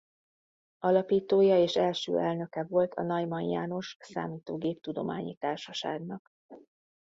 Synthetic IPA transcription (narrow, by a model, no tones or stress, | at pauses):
ɒlɒpiːt̪oːjɒeːʃɛlʃø̰ːʔɛlnø̞kɛvo̞lt̪ʰɒ̰nɒjmɒjjaːno̞ʃsa̰ːmiːt̪oːɡeːp̚t̪ud̪o̞̰maːɲḭt̪aːrʃɒʃa̰ːɡnɒk